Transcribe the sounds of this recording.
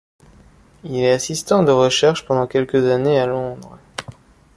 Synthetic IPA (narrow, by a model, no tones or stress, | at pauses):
ilɛasist̪ɑ̃d̪əʁəʃɛʁʃpɑ̃d̪ɑ̃kʲɛlkəzanealɔ̃d̪ʁ